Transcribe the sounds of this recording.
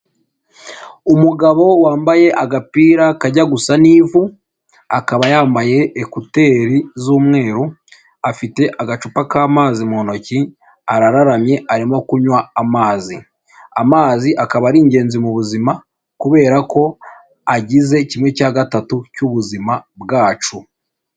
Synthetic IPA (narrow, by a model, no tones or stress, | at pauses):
umuɡaβo̞waːmbaje̞ʔaɡapiːɾakaɟaɡusaniːvu | akaβajaːmbaje̞ːkute̞ːɾizuːmŋe̞ːɾu | afite̞ʔaɡat͡ʃupakaːmaːzimono̞ci | aɾaɾaɾamje̞ʔaɾimo̞kuɲwaːmaːzi | amaːziʔakaβaɾiːɲɟe̞ːnzimuβuzima | kuβe̞ːɾako̞ | aɟize̞cimwe̞caːɡatatucuβuzimabɡaːt͡ʃu